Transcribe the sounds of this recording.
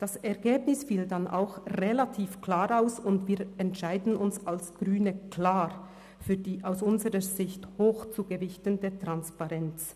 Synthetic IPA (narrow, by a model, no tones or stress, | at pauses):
d̥asɛʁɡeːbnɪsfiːldanʔa̰ʊxʁelatʰiːfkl̥aːɾaʊsʊndv̥iːɾɛntʃaɪdn̩ʊnsalsɡ̥ʁyːnəkʰl̥aːʁ | fyːɐdiːʔaʊsʊnzəʁəzɪçthoːxt͡suːɡəvɪçtəndeːɐtʁ̥anspaʁɛnt͡s